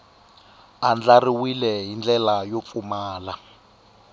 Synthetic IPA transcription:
and͡ɮariwilɛɦind͡ɮɛlajop̪fumaːla

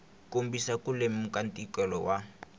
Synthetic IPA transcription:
kʼombisakʼulemmukʼantʼikɛlɔwa

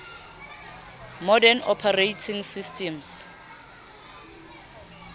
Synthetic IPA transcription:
mɔdɛnɔpʰarejtʰiŋsistʰʼɛms

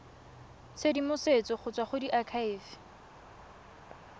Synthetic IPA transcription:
sedimʊset͡sɔχʊt͡sʼwaχʊdiʔakʰaɪːfɪ̥

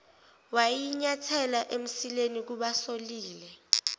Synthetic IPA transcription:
wajiɲatʰɛlaʔem̩silenik̬uɓasoliːlɛ

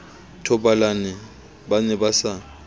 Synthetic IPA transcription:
tʰɔbalanɛ | banɛbasa

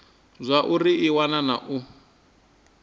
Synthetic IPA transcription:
zʷaʔuriiwanana̰ʔu

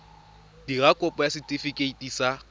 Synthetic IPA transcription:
d̥iɣakʼʊpʼɔjasɪtʼɪfikʼeitʼiːsa

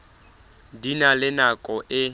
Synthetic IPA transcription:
dinalɪnakʼɔʔɪ

